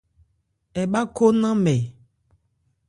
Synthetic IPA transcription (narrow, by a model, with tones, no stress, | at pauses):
ɛ˨ba˦ko˦nã˦mɛ˨